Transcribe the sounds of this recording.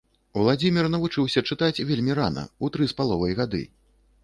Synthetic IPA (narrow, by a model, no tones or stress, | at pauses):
uwlˠad͡zʲimʲirnɐvut͡ʂɨwsʲɐt͡ʂɨt̪at͡sʲvʲelʲmʲiɾa̰nɐ̰ut̪ɾɨspalˠɔvɐjɣad̪ɨ̰